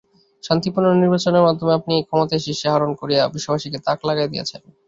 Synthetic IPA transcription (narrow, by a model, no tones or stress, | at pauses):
ʃant̪ipuɾnoniɾbat͡ɕoneɾmad̪ʱːomeapniekʰɔmot̪ajʃiʃeɦaɾonkoɾijabiʃːobʱaʃiket̪aklaɡaed̪ijḛt͡ɕʰen